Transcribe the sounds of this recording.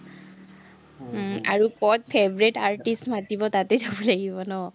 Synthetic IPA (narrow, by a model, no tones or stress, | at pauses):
a̰ɹukɔt̚pʰebɹitaɹtistmatibɔtatɛzabɔlaɡibɔnɔ